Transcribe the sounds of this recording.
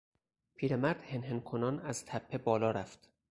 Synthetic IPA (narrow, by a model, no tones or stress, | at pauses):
pʰiːɾe̞mæɾd̪̥he̞nɦe̞nkʰonɒːnæz̥t̪ʰæpʰːe̞bɒːlɒːɾæft̪